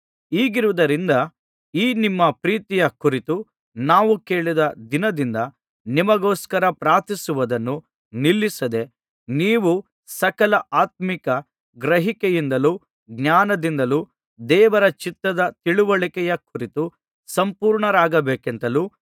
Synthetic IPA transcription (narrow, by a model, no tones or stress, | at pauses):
iːɡiɾuʋud̪ɐɾind̪ɐ | iːnimːɐpɾiːt̪ijɐkuɾit̪u | naːʋuke̞ːɭid̪ɐd̪inɐd̪ind̪ɐ | nimɐɡoːskɐɾɐpɾaːt̪isuʋɐd̪ɐnːu | nilːisɐd̪e̞ | niːʋu | sɐkɐlɐʔaːt̪̚mikɐ | ɡɾɐɦikejind̪ɐlu | ɡnaːnɐd̪ind̪ɐluː | d̪ɛːʋɐɾɐt͡ʃit̪ɾɐd̪ɐt̪iɭuʋɐɭikɛjɐkuɾit̪u | sɐmpuːɾɳɐɾaːɡɐbeːkent̪ɐluː